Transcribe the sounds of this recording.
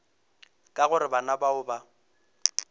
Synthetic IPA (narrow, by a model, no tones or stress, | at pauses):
kʼaɣʊɾɪbanabaʊba